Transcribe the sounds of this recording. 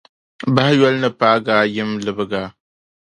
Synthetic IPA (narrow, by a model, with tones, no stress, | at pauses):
ba˦ha˦jɔ˦lnɨ˦paː˦ɡaː˦jɪ˦mlɨ˦bɨ˦ɡa˦